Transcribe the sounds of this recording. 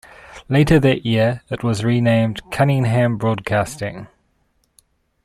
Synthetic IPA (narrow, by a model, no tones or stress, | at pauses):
leɪtʰəðəʔjɪəɹɪʔwɒzɹiːnẽɪ̃mkʰʌnɪ̃ŋɦæ̃mbɹɔːd̚kʰɑˑstɪ̰̃ŋ